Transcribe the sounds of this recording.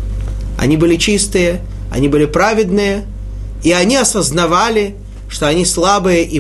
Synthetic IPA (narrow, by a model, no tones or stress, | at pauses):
ɐ̰nʲibɨlʲɪt͡ɕist̪ɨjə | ɐ̰nʲibɨlʲɪpɾavʲɪd̪nɨjə | iɐnʲiɐsəznɐvalʲɪ | ʂt̪oɐnʲislˠabɨjəʔi